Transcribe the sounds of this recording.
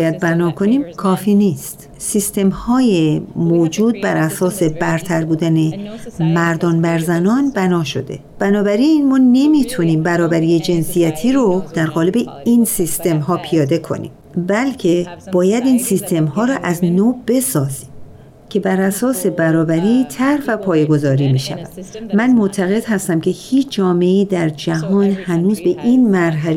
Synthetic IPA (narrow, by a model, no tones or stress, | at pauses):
jæd̪̚bænɒːkʰo̞niːmkʰɒːfiːnist̪ | sist̪e̞mhɒːjemoːd͡ʒuːd̪̚bæɾʔæsɒːse̞bæɾt̪ʰæɾbuːd̪ænemæɾd̪ɒːnbæɾzænɒnbænɒːʃo̞̰d̪e̞̰ | b̥ænɒːbæɾinmɒːne̞mit̪ʰuniːmbæɾɒːbæɾiːjed͡ʒe̞nsijæt̪ʰiːɾod̪̥æɾɣɒːle̞be̞insist̪e̞mɦɒːpʰijɒːd̪e̞kʰo̞̰nḭːm | bælcʰe̞b̥ɒːjæd̪iːnsist̪ʰe̞mhɒːɾɒʔæznoːb̥e̞sɒːziːm | cʰe̞bæɾæsɒːse̞bæɾɒːbæɾit̪ʰæɾvæpʰɒːjeɡo̞zɒːɾiːmiːʃæ̰væ̰d̪̥mænmoʔt̪ʰæɣe̞d̪̥hæst̪æmcʰe̞hiːt͡ʃʰd͡ʒɒːme̞iːd̪æɾd͡ʒæɦɒːnhænuːzbe̞ʔinmæɾɦæl